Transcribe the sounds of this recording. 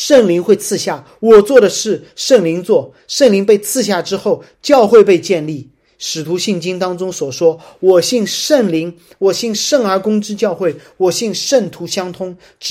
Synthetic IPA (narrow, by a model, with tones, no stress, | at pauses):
ʂə˥˩ŋli˧˥ŋxwe˥˧ɪt͡sʰɹ̩˥˧ɕja˥˩ | wɔ˨˩t͡swɔ˥˩d̪ə˩ʂɻ̩˥˩ | ʂə˥˩ŋli˧˥ŋt͡swɔ˥˩ | ʂə˥˩ŋli˧˥ŋpe˥˧ɪt͡sʰɹ̩˥˧ɕja˥˩ʈ͡ʂɻ̩˥xo˥˩ʊ | t͡ɕjɑ˥˧ʊxwe˥˧ɪpe˥˧ɪt͡ɕjɛ˥˧nli˥˩ | ʂɻ̩˨˩t̪ʰu˧˥ɕi˥˩ŋt͡ɕi˥ŋt̪ɑ˥ŋʈ͡ʂʊ˥ŋswɔ˨˩ʂwɔ˥wɔ˨˩ɕi˥˧ŋʂə˥˩ŋli˧˥ŋ | wɔ˨˩ɕi˥˧ŋʂə˥˩ŋə˞˧˥kʊ˥ŋʈ͡ʂɻ̩˥t͡ɕjɑ˥˧ʊxwe˥˩ɪwɔ˨˩ɕi˥˧ŋʂə˥˩nt̪ʰu˧˥ɕjɑ˥ŋt̪ʰʊ˥ŋ